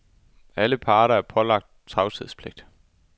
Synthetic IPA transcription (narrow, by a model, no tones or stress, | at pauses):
æləpʰɑ̈ːɾɐæɐpʰɒ̽lɑ̈ɡ̥̚d̥̚t͡sʰʁɑ̈ʊt͡sʰið̞̰ˠspʰleɡ̥̚d̥